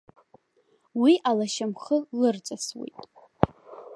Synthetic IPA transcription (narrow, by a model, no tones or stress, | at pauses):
wiʔalaʃamχəlɨrt͡sʼaswḛjtʼ